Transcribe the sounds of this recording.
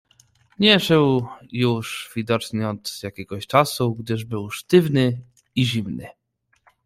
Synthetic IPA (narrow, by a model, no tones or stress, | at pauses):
ɲɛʂɛwjuʂvʲid̪ɔt͡ʂɲɛɔd̪zjakʲɛɡɔɕt͡ʂasuɡd̪ɘʐbɘwʂt̪ɘvnɘ | iʑimnɘ̰